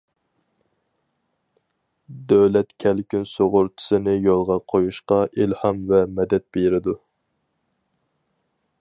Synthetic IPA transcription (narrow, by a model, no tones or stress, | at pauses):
d̪øwlɛt̪kʲʰɛlkʲynsoʁʊɾt͡ʃʰɪ̥sɨnɪjolˠʁɑqʰojuʃqɑʔilhɑmvɛmɛd̪ɛt̪̚beɾɪd̪u